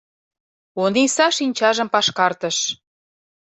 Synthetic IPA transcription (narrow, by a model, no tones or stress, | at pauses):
onisɑʃinʲt͡ɕɑʒə̆mpɑʃkɑrt̪ə̆ʃ